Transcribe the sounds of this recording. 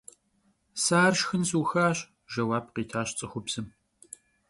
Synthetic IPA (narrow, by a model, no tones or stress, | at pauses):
saːrʃxɨnsuːxaːɕ | ʒɐwaːb̚qiːtʰaːɕt͡sʼɨxʷʊbz̥ɨm